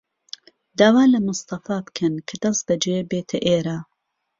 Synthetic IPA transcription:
d̪aːwaːlɐmʊst̪ɐfaːbkʰɐnkʰɐd̪ɐsd̪ɐd͡ʒebeːt̪ʰɐʔeːɾaː

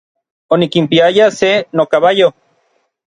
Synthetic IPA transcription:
onikimpiajasenokaβajo

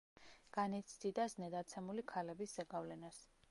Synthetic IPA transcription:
ɡ̥anit̪sʰd̪id̪aznɛd̪at̪sʰɛmulikʰalɛbisz̥ɛɡavlɛnas

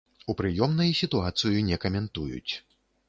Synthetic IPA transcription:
upɾɨjɔmnɐjsʲit̪uat̪sɨjunʲɛkɐmʲɛnt̪ujṵt͡sʲ

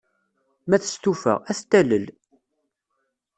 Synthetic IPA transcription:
mæθə̥st̪ufə̰ʁæθt̪ːæləl

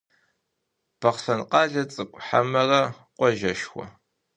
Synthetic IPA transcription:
b̥ʰɐχfɐnqɑːɮɐt͡sʼɨkʷʼħa̰mɐrɐ | qʷɔʒɐʃxʷɔ̰

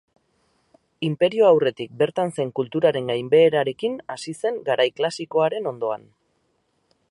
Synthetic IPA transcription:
impe̞ɾio̞awre̞t̪ik̚be̞ɾt̪anse̞ŋkult̪uɾaɾe̞ŋɡajmbe̞ːɾaɾe̞kinasise̞ŋɡaɾajklasiko̞aɾe̞no̞nd̪o̞a̰n

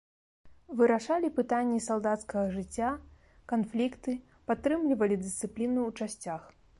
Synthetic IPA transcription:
vɨɾaʂalʲipɨt̪anʲːisalˠd̪at̪skɐɣɐʐɨt͡sʲːa | kanflʲikt̪ɨ | pat̪ːɾɨmlʲivɐlʲid̪ɨst̪sɨplʲinuːt͡ʂasʲt͡sʲax

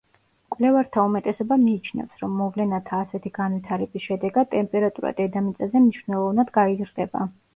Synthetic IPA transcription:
kʼvlɛvaɾt̪ʰaumɛt̪ʼɛsɔbamiːt͡ʃʰnɛ̰fsɾɔmːɔvlɛnat̪ʰaːsɛt̪ʰiɡanwit̪ʰaɾɛbisʃɛd̪ɛɡad̪̚t̪ʼɛmpʼɛɾat̪ʼuɾa̰d̪ɛd̪amit̪sʼazɛmniʃvnɛlˠɔvnad̪ɡaizɾd̪ɛba̰

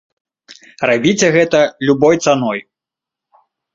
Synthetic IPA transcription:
rabʲit͡sʲɛɣɛt̪ɐlʲubɔjt̪sanɔj

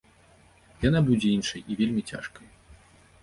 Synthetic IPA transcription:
janabud͡zʲɛinʂɐjivʲelʲmʲit͡sʲa̰ʂkɐj

